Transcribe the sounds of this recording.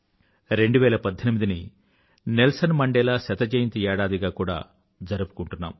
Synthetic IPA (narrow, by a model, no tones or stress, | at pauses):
ɾe̞ɳɖuʋɛːlɐpɐd̪ʱːɐnimid̪ini | nelsɐnmɐɳɖɛːlaːsɐt̪ɐd͡ʒɐːjint̪iɛːɽaːd̪iɡaːkuːɽa̰ː | d͡ʒɐɾupu̥kuɳʈunːa̰ːm